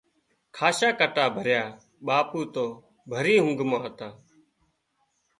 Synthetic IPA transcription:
kʰaːʃaːkəʈaːbʱəɾjaː | ɓaːpuːt̪oː | bʱəɾiːɦʊ̃ŋɡʱmãːɦət̪aː

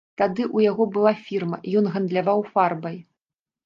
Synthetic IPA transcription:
t̪ad̪ɨʔujaɣɔbɨlˠafʲirmɐjɔnɣɐnd̪lʲavawfarbɐj

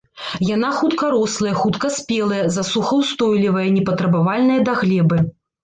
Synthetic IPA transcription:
janaxut̪kɐɾɔslˠɐjɐxut̪kɐsʲpʲɛlˠɐjɐzasuxɐwst̪ɔjlʲivɐjɐnʲɛpɐt̪ɾɐbavalʲnɐjɐd̪aɣlʲɛbɨ

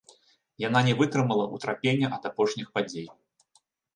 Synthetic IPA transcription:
jan̪anʲɛvɨt̪ɾɨmɐlˠɐʔut̪ɾapʲenʲːɐʔɐd̪apɔʂnʲixpad͡zʲej

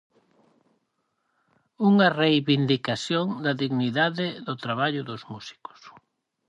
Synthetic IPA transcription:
uŋɐrejβind̪ikasjoŋd̪ɐðiɣniðaðɪðʊt̪ɾaβ̞aʎʊðʊzmusi̥kʊ̥s

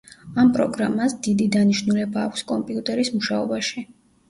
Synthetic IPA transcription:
ampʼɾɔɡɾa̰masd̪id̪id̪aniʃnulɛbaːkʷʰskʼɔmpʼiut̪ʼɛɾismuʃaɔbaʃi

